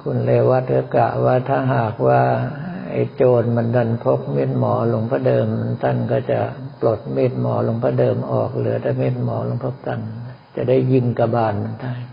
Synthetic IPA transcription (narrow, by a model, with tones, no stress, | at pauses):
kʰu˧nleː˧wa˦˥t̪̚ɾɯː˧˩ka̰ː˨˩wwaː˧˥˩t̪ʰaː˥˩ɦaː˨˩k̚waː˧˩ʔa̰˧˨˩jt͡ɕoː˧n̚ma˧˥nda˧˩npʰo˦˥k̚meː˧˥˩t̪̚mɔː˨˦lo˧ŋpʰaː˧˥˩dɤː˧mt̪ʰa˥˩nkɔː˥˩t͡ɕa̰˨˩plo˨˩t̪̚meː˧˩t̪̚mɔː˩˦lo˧˦ŋpʰaː˧˩dɤː˧mʔɔ̰ː˨˩k̚lɯ˩˦ɐt̪ʰaː˧˩meː˥˩t̪̚mɔː˩˦lo˧˦ŋpʰo˧˥p̚t̪a˧˥˩n | t͡ɕa˨˩da˥˩jːi˧˩ŋka˧baː˧˩nma˧˥˦nt̪ʰa˥˩j